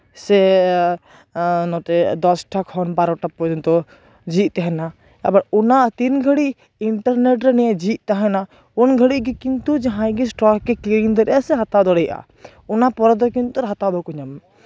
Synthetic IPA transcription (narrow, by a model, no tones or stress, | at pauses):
sɛ | nɔt̪ɛd̪ɔsʈʰakhɔnbaɾɔʈapɔd͡ʒɛnt̪ɔ | d͡ʒiʔ̚t̪ɛɦɛna | abaɾunat̪inɡʱəɽi | iɳʈaɾnɛʈɾɛnɛɛd͡ʒiʔ̪̚t̪aɦɛna | unɡʱəɽiʔɡɛkint̪ud͡ʒaɦãjɡɛsʈɾɔkkɛkliɾiŋd̪ɛɾɛasɛɦat̪ad̪ɔɽɛjʔa̰ | ɔnapɔɾɔd̪ɔkint̪uɾɦat̪abɔkɔɲɔm